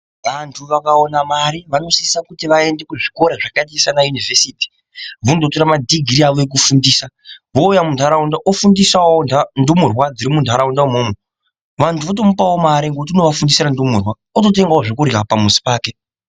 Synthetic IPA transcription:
ʋantʰuʋakaonamaɾiʋano̞siisakutiʋae̞nde̞kuʐiko̞ɾeʐakatisanajunivesiːti̥ | ʋundotoɾamadʱiɡʱiɾiaʋo̞ek̬ufundiːsaʋoujamundʱaɾaundaʔofundisawondandumurwad͡ziɾimundʱaɾaundaumoːmo | ʋantʰuʋot̬o̞mupawomaɾeŋɡot̬ino̞ʋafundisirandumurwa | oto̞t̬e̞ŋɡaoʐekuɾapamusi̥paːke

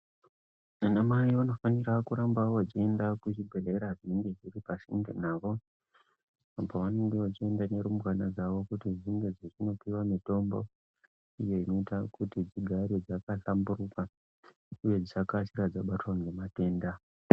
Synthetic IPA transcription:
anamajiano̞fanirakuɾambawat͡ʃie̞ndakut͡ʃibʱeleɾaʐiniŋɡe̞d͡ziripasiŋɡḛnaːʋo̞ | amboʋane̞ŋɡe̞ʋat͡ʃie̞ndane̞ɾumbwanad͡zaʋo̞kutiʐiŋɡe̞d͡zet͡ʃino̞piwamito̞mbo̞̰ | ije̞ino̞itakutid͡ziɡʱaɾed͡zakaɬamburuka | uje̞d͡zit͡ʃakat͡ʃiɾad͡zaɓatwaŋɡemate̞ːnda

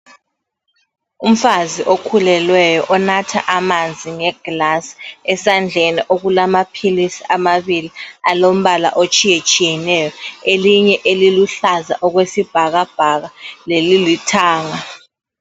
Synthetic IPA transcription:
um̩faziʔokʰulɛlwɛjɔʔɔnatʰa̰ʔamand͡zʱiŋɛɡ̥lasɛsand͡ɮʱeniʔoɣulamapʰilisiamaβilialom̩βala̰ʔot͡ʃʼijet͡ʃʼijɛnɛjɔeliɲɛʔeliluɬaza̰ʔɔɣwesib̥ʱaɣab̥ʱaɣalelilitʰaːŋa

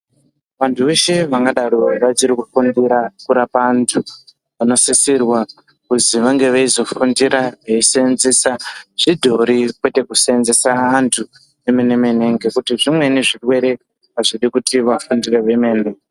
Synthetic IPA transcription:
ʋantʰuʋe̞ʃe̞ʋaŋɡaɗaɾoʋat͡ʃiɾikufundiɾakuɾapantʰu | ʋano̞sisirwa | kuziʋaŋɡe̞ʋaizo̞fundiɾaʋeisenzesaʐ̥idʱo̞ɾikwe̞te̞kuseenzesaːntʰu | emenemeneŋɡekutiʐimwe̞neʐirwe̞ɾe̞ | paʐiɗikutiʋafundire̞ʋemeːne

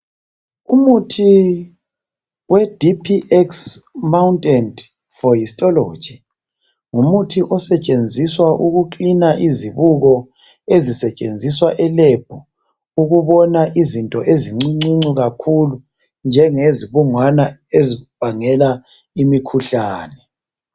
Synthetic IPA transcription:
umutʰi | wɛd̥ʱipʰiʔɛksmauntʼɛnd | fɔjistʼɔlo̥d͡ʒ̥ʱi | ŋumutʰiʔɔsɛt͡ʃʼend͡zʱiswaʔuɣuǃinaʔiziβuɣɔ | ezisɛt͡ʃʼend͡zʱiswaʔɛlɛb̥ʱɔ | uɣuβɔnaʔizintʼɔʔeziŋ͡ǀiŋ͡ǀiŋ͡ǀuɣakʰulu | nd͡ʒʱɛŋeziβuŋwanaeziβ̥ʱaŋɛla | imikʰuɬaːnɛ

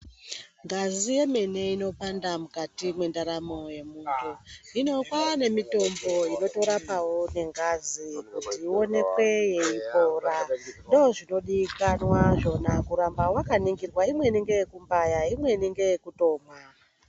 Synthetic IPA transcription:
ŋɡazije̞me̞ne̞ino̞pandamukatimwe̞ndaɾamo̞je̞muːtoino̞kane̞mito̞mbo̞ino̞to̞ɾapawone̞ŋɡazikutiːo̞ne̞kwe̞je̞ipo̞ːrandooʐino̞ɗikanwaʐo̞nakuɾambawakaniŋɡirwaimwe̞niŋɡe̞jekumbajaimwe̞niŋɡe̞jekuto̞ːmwa

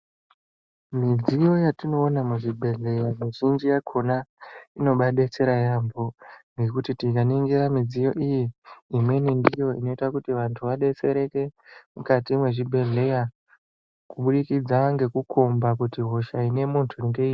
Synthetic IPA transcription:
mid͡zijo̞jatino̞ːnamuʐibʱe̞ɮe̞jamiʒind͡ʒijakʰo̞naino̞ɓaɗet͡se̞ɾajamboŋɡe̞kutitikaniŋɡeɾamid͡zijo̞̰ʔijiːmwe̞nindijo̞ḭno̞itakutiʋantʰuʋaɗe̞t͡se̞ɾe̞ke̞mukatimwe̞ʐibʱe̞ɮe̞ja | kuɓuɗikid͡zaŋɡe̞kukʰo̞mbakutiɦo̞ʃaine̞muntʰuiŋɡei

